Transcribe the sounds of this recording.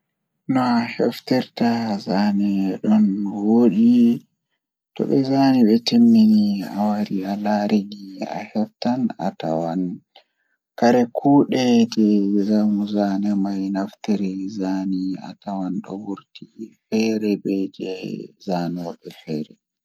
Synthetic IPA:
nɔahɛftɛɾtazanɛɗɔnwoːɗi | tɔ̰ɓɛzaniɓɛtimːinia̰waɾialaɾiɡia̰hɛftana̰ta̰wan | kaɾɛkʰuːɗɛd͡ʒɛzamuzanɛmajnaftiɾizania̰tawanɗɔ̰wuɾtifɛɾɛbɛd͡ʒɛzanɔɓɛfɛːɾɛ̰

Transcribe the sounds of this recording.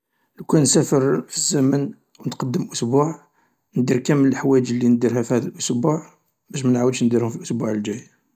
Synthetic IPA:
lkunsæfəɾfizːæmən | wnət̪qɑd̪ːəmʔʊsbuʕ | nd̪iɾkæmːələlħwæd͡ʒlːind̪iɾhæfihæd̪əlʔʊsbuʕ | bæʃ̬mænʕawəd̪ʃnd̪iɾhʊmfilʔʊsbuʕəld͡ʒæj

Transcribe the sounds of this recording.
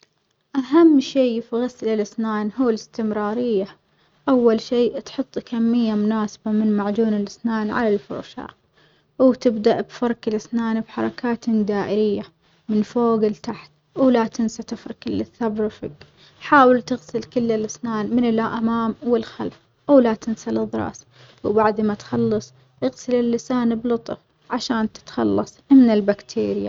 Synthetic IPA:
ʔaɦamːʃiːfiɣaslɪlʔɪsnaːnɦuːlɪst̪ɪmɾˤɑːɾɪjːa | ʔawːalʃiːt̪ħʊt̪ˤːkamːɪjːamʊnaːsḁbamɪnmaʕd͡ʒuːnɪlʔɪsnaːnʕa̰lalfʊ̰ɾʃa̰ː | wt̪ɪbd̪aʔbfɑɾˤkɪlʔɪsnaːnbħɑ̰ɾˤɑ̰kaːt̪d̪aːʔɪɾɪjːa | mɪnfoːɡɪlt̪aħt̪ | wlat̪ɪnsat̪ɪfɾɪkɪlːɪθːabɾfɪk | ħaːwɪlt̪ɪɣsɪlkɪlːɪlːɪsnaːnmɪnɪlʔamaːmwɪlxa̰lf | wlat̪ɪnsalɪðˤɾˤɑ̰ːs | wbaʕd̪mat̪xɑlːɨsˤ | ʔɪɣsɪlɪlːɪsaːnblʊt̪ˤɨf | ʕaʃaːnt̪ɪ̥t̪xɑ̰lːɑsˤmɪnɪlbakt̪ʰeːɾɪja̰

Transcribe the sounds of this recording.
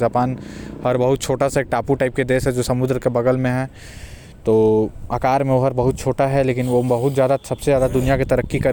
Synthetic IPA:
aːpaːnhɐɾbɐɦʊt̪̚t͡ʃʰoːʈasaeːk̚ʈaːpuʈaːɪp̚ked̪eːsɦɛd͡ʒoːsɐmʊd̪ɾəkebɐɡəlmẽɦɛ̃ː | t̪oːaːkaːɾmẽʋoɦɐɾbɐɦʊt̪̚t͡ʃʰoːʈaɦɛleːkɪnʋobɐɦʊt̪zjaːd̪asɐbsezjaːd̪ad̪ʊnijakit̪ɐɾəkːikɐɾ

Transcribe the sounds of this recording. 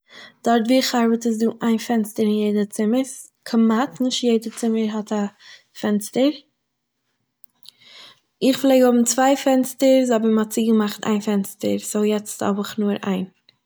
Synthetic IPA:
d̥ɔɾtviːχaɾbətəs̬duːʔaɪnfɛnstəɾɪnjeɪdət͡sɪməs | kʰəmatnɪʃtjeɪdət͡sɪməɾɦɔta | fɛnstəɾ | ɪχflˠeɪɡəhʊbm̩t͡svaɪfɛnstəɾzɔbəɾmɔt͡siːɡəmaχtʰa̰ɪnfɛnstə̰ɾsoʊjɛt͡stɔ̰bɪχnuːɾa̰ɪn

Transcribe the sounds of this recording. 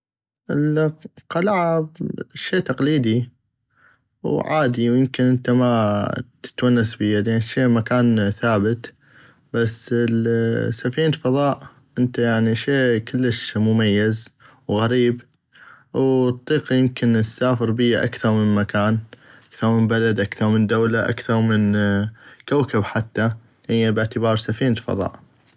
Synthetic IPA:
ʔəlqɑlaʕabʃeːt̪ɑqliːd̪i | wʕaːd̪iwjɪmkɪnʔənt̪amat̪ɪ̥t̪wanːasbəjad̪anʃeːmakaːnθaːbət̪ | basːlsafiːnfɑðˤɑːʔ | ʔɪnt̪ajaʕniʃeːkɪlːəʃmʊmajːaz | wɣaɾiːb | w̪t̪ˤːiːqjɪmkɪnt̪saːfɪɾbɪjːaʔa̰kθɑɾˤmɪnmakaːnʔakθɑɾˤmɪnbalad̪ʔakθɑɾˤmɪnd̪aːlaʔa̰kθɑɾˤmɪn | kawkabħat̪ːa | hɪjːabɪʕt̪ɪbɑːɾˤsafiːnfɑ̰ðˤɑ̰ːʔ

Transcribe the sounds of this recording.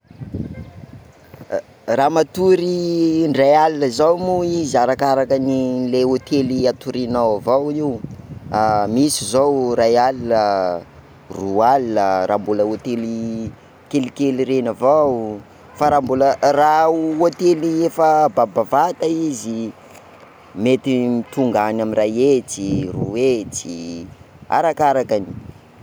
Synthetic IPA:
raːmat̪uɾiɳɖ͡ʐajalinəzawmuiziaɾakaɾakənileot̪eliat̪uɾinawavawiwamisizowrajalinə | rualinəɾa̰mbuləot̪eli | kelikeliɾenavaw | faɾaːmbulərauot̪eliefəbabavat̪aizi | met̪imit̪uŋɡanaminrajet͡siruet͡si | a̰ɾakaɾakani̥

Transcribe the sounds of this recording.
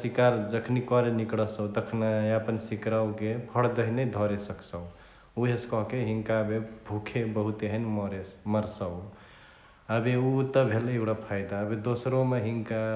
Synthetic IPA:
sikaɾd͡ʒəkʰnikɔɾenikɽəsəwt̪əkʰnaeapənsikɾawkepʰəɽd̪əɦined̪ʱɔɾesəksə̃w | uɦeskɔɦkeɦiŋkabebʱukʰebəɦut̪eɦənmɾeməɾsəw | əbeut̪əbʱeleɡɽapʰajd̪aəbed̪osɾomeɦiŋka

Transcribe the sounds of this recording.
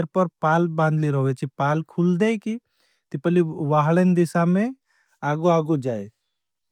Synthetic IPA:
ɾpəɾpaːlbãːnd̪ʱliɾɔɦʋet͡ʃʰipaːlkʰuld̪eki | t̪ipəliʋaɦɭend̪ɪsamẽ | aːɡoaːɡod͡ʒaːe

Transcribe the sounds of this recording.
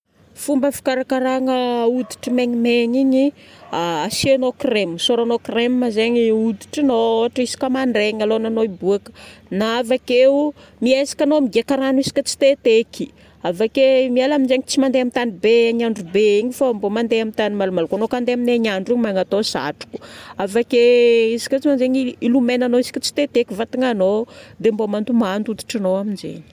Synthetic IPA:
fumbəfi̥kaɾakaɾaŋəud̪i̥ʈ͡ʂəmeɲimeɲiɲi | aasianokremsoɾanokremmazeɲiud̪i̥ʈ͡ʂinoʈ͡ʂisi̥kʲəmaɳɖ͡ʐeɲalonanoibuakə̥naavake | miejsḁkʲanomiɡekaɾanisi̥kʲət͡si̥t̪et̪eki̥ | avakemialaminzeɲit͡simand̪eamit̪anibeaɲaɳɖ͡ʐubeiɲifambomand̪eamint̪animalumalukanokand̪eamineaɲaɳɖ͡ʐiɲmaŋat̪osa̰ʈ͡ʂu̥ku̥avakeisi̥kʲət͡simanzeɲiilumenanoisi̥kʲət͡si̥t̪et̪ekivat̪iŋanod̪embomand̪umand̪ut̪u̥ʈ͡ʂinoaminzḛɲi̥

